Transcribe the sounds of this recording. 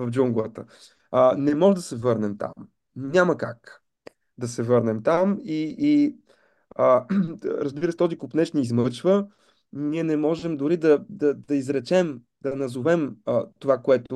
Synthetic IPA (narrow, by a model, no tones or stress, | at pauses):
vɐvd͡ʒuŋɡlˠət̪ə | ənɛmɔʒɛd̪ɐsɛvɤɾnɛmt̪a̰m | nʲaməkak | d̪ɐsɛvɤɾnɛmt̪amiː | əɾɐzbiɾəst̪ɔzikʊpnɛt͡ʃniːzmɤt͡ʃvə | niɛnɛmɔʒɛmd̪ʊɾid̪ɐd̪ɐd̪ɐizɾɛt͡ʃɛm | d̪ɐnɐzovɛmət̪ovakoɛt̪ʊ